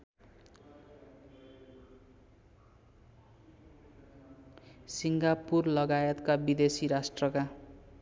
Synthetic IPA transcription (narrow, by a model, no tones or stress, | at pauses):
siŋɡapurlʌɡajʌt̪kabid̪esiɾasʈrʌka